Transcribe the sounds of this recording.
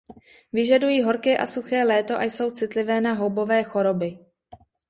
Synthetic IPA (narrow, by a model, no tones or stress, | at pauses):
vɪʒadujiːɦo̞ɾkɛːʔasuxɛːlɛːt̪o̞ʔajso̞wt͡sɪt̪lɪvɛːnaɦo̞wbo̞vɛːxo̞ɾo̞bɪ